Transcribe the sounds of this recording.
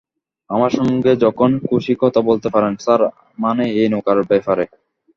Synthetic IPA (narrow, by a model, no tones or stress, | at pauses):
amaɾʃɔŋɡed͡ʑɔkʰonkuʃikɔt̪ʰabolt̪epaɾensaɾ | maneejnokaɾobefaɾe